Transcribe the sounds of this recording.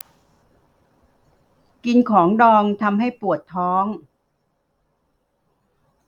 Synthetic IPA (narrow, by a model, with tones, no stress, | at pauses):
ki˧nkʰɔː˩˦ŋdɔː˧ŋt̪ʰa˧mɦa˥˩jpu˨˩ət̪ʰːɔː˦˥ŋ